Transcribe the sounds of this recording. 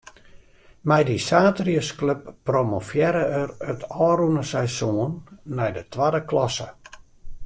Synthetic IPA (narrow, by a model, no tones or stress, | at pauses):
mɛjdisaːtriəskløp̚ːromofjɛɾəərətʰɔːɾunəsɛjsoənːɛjdətʋadəklɔsə̰